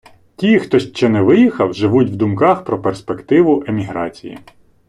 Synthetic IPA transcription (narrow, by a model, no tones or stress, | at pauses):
tʲixt̪ɔʃt͡ʃːɛnɛʋɪjixɐwʒɪʋutʲwd̪ʊmkɑxpɾɔperspekt̪ɪʋʊʔemʲiɦɾɑ̰t͡sʲijḭ